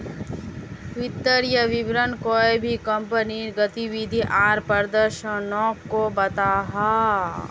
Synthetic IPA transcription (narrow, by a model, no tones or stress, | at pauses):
ʋɪt̪ːəɾjəʋɪbɾənkoːebʱikɐ̃mpəniɾɡət̪iʋid̪ʱiʔaːɾpəɾd̪əɾʃə̃nɔ̃ːkkobɐt̪aːɦaː